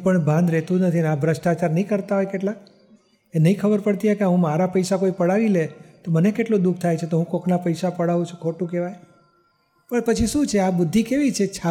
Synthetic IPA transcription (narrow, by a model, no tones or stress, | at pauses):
pəɳbʱãnd̪ɾet̪ũnət̪ʰineabʱɾəʃʈat͡ʃaɾnəĩkəɾt̪aɦojkeʈlak | enəĩkʰəbəɾpəɽt̪iɦokeaɦũmaɾapəjsakoipəɽaʋilet̪omənekeʈlod̪uk̚ʰt̪ʰajt͡ʃʰet̪oɦũkoknapəjʃapəɽaʋũt͡ʃʰu̥kʰoʈũkeʋaj | pəɳpət͡ʃʰiʃũt͡ʃʰeabʊd̪ʱːikeʋit͡ʃʰet͡ʃʰa